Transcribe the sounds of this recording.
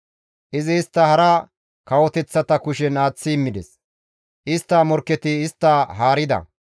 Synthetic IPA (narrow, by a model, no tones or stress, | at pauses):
ʔɪzɪːst̪ːɐhɐɾɐ | kɐwɔt̪ɛt͡sːɐt̪ɐkʊʃɛnaːt͡sːɪːmːɪd̪ɛs | ʔɪst̪ːɐːmɔɾkːɛt̪ɪːst̪ːɐɦaːɾɪd̪ɐ̰